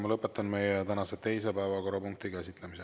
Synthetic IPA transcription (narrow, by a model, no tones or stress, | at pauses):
mɑlɤpːˑe̞t̪ːˑɑnme̞jet̪ænɑset̪e̞js̬e̞pæevɑko̞rːɑpuŋk̚t̪ikæsʲit̪lemise